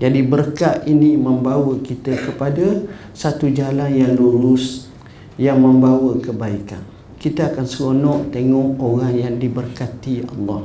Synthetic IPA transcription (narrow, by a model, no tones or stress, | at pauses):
d͡ʒadibərkaʔinĩməmbawəkit̪əkəpada | sat̪ud͡ʒalanjaŋluɾʊs | jaŋmə̃mbawəkəbaika̰n | kit̪aakansəlonɔʔt̪eŋɔʔoɾaŋjaŋdibərkat̪iɑ̰lːɑh